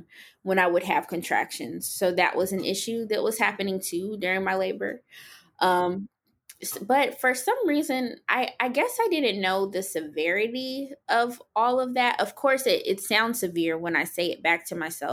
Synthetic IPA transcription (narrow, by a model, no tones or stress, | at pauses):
wə̃ñaɪwəd̚ɨv̥kʰɨ̃ntʰɹ̥æ̰kʃɨ̃nz̥soʊðɨ̰ʔwʔʌzɨ̃n̩ʔɪ̰ʃʉðɨʔ̚wʌz̥hæpɨnɪ̃ŋtʰʉdʊɹɪ̃ŋmaɪleɪbə̰˞ | ʔʌ̃m | sb̥ʌtfə˞sʌ̃mɹizɨ̃nʔa̰ɪʔaɪɡɛsaɪdɪdⁿn̩noʊðɨsɨvɛɹɨɾiʌvɔlˠʌvðætʔʌv̥kʰɔɹsɪɾʔɪtsãʊ̃nd̥sɨvɪɹwə̃naɪseɪɨt̚b̥æk̚tʰɨmaɪsɛ̰